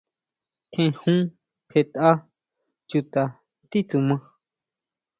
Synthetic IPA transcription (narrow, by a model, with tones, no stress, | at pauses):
kʰẽ˧hũ˦ | ke˧t̪a˦ | t͡ʃu˧t̪a˧ | t̪i˦t͡su˧˨mã˧